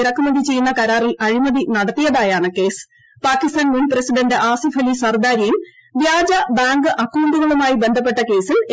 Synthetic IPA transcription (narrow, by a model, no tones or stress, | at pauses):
ɾɐkːumɐðit͡ɕe̞junːɐkɐɾaːrilɐɻimɐðinɐɽɐt̪ːijɐðaːjaːɳɨke̞ːs | paːkːist̪aːnminprɐsiɖɐɳɖɨʔaːsifʰɐlisɐrd̪aːɾijim | ʋjaːd͡ʑɐbaːŋɡɨʔɐkːuːuɳɖuɣɐɭumaːjibe̞nd̪ʱɐp̬ːe̞ʈːɐke̞ːsil